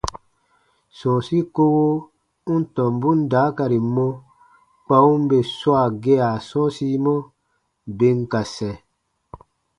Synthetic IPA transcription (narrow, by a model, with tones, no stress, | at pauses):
sɔ̃˨si˦ko˦wo˦ | u˦n˦tɔ̃˨mbu˦n˦daː˨˦ka˨ɾi˨mɔ̃˦ | k͡pa˧ũ˦m˦be˨swa˨ɡe˦a˨sɔ̃˦si˦mɔ˦ | be˧ŋka˨sɛ̃˨